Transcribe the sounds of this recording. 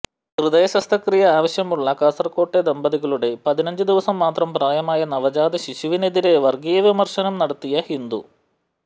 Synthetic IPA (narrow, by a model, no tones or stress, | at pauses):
hrɨd̪ɐjɐɕɐst̪ʰɐkrijɐaːʋɐɕjɐmuɭːɐkɐːsɐrko̞ːʈːed̪ɐmbɐðiɣɐɭuɽe̞pɐðinɐɲd͡ʒud̪iʋɐsɐmːaːt̪rɐmpraːjɐmaːjɐnɐʋɐd͡ʑaːd̪ɐɕiɕiʋined̪iɾe̞ʋɐrɡijɐʋimɐrʂɐnɐmnɐɽɐt̪ːijɐhind̪u